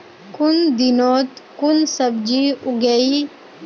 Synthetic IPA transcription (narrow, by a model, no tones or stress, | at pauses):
kund̪inoːt̪kunsəbd͡ʒiuɡei